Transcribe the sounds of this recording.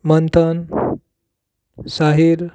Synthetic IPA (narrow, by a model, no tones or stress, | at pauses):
mənt̪ʰən | saɦiɾ